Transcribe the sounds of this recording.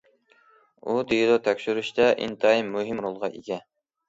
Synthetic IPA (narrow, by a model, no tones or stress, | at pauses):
ud̪ijd̪ot̪ʰɛkʲʃyɾyʃt̪ɛʔḭnt̪ʰɑimːuɦɪmɾolˠʁɑʔiɡʲɛ